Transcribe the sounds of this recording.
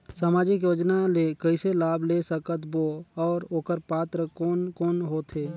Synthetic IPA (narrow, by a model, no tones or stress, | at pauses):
saːmaːd͡ʒɪkjoːd͡ʒnalekəɪselaːblesəkət̪boɔːɾoːkəɾpaːt̪ɾəkoːnkoːnɦoːt̪ʰeː